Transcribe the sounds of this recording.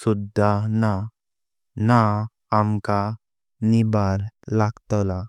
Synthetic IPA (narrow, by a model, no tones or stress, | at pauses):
sud̪ʱːana | naː | mka | nibaɾlaɡt̪ɔla